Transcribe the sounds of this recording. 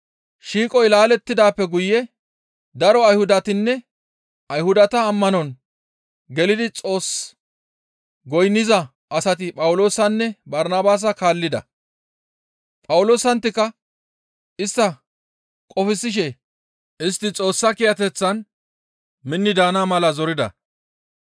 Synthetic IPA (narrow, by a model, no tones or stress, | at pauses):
ʃiːkʼɔjlaːlɛt̪ːɪd̪aːpːɛɡʊjːɛ | d̪ɐɾɔɐjhʊd̪ɐt̪ɪnːɛ | ɐjhʊd̪ɐt̪ɐːmːɐnɔn | ɡɛlɪd̪ɪt͡sʼo̞ːs | ɡɔjnːɪzɐ | ʔɐsɐt̪̬ɪpʼɐwʊlo̞ːsɐnːɛbɐɾnaːbaːs̬ɐkaːlːɪd̪ɐ̰ | pʼɐwʊlo̞ːsɐnt̪ːɪkːɐ | ʔɪst̪ːɐ | kʼɔfɪsːɪʃ̬ɛ | ʔɪst̪ːɪt͡sʼo̞ːsːɐkɪjɐt̪ɛt͡sːɐn | mɪnːɪd̪aːnaːmɐlɐzɔɾɪd̪ɐ̰